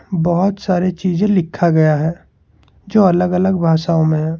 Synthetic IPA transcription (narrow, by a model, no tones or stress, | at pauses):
bɐɦʊt̪saːɾet͡ʃiːzẽlɪkʰːaɡɐjaɦɛː | d͡ʒoːɐləɡɐləɡbʱaːʃaːõmẽɦɛ̃ː